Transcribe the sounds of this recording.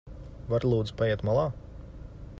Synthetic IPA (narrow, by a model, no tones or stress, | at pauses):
vaɾlˠuːd̪zpajɛɛt̪malˠaː